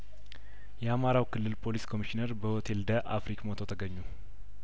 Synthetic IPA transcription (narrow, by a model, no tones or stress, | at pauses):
jɛamaɾawkʰɨlːɨlpʰo̞liskʰo̞miʃineɾbəhot̪ʰe̞ld̪əʔafɾikmot̪ʰot̪ʰəɡəɲːu